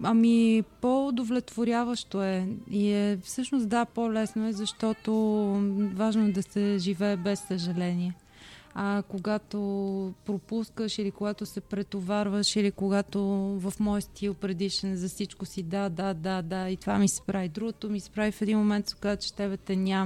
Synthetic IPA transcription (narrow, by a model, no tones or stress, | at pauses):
ɐmipoʊd̪ovlɛt̪voɾʲjavəʃt̪oɛiɛfsɤʃnost̪d̪apolɛsnoɛzɐʃt̪ɔt̪o | vaʒnoɛd̪ɐsɛʒivɛːbɛsːəʒɐlɛnʲiɛ | ɐkoɡat̪opɾopuskəʃilikoɡat̪osɛpɾɛt̪ovaɾvəʃilikoɡat̪ovɐfmɔjst̪ʰilˠpɾɛd̪iʃnɛzɐfsit͡ʃkosid̪ad̪ad̪ad̪ait̪ova̰misɛ̥pɾavid̪ɾuɡot̪omisɛ̥pɾavifɛd̪inmomɛnt̪so̥kazət͡ʃɛ̥t̪ɛbɛt̪ɛnʲam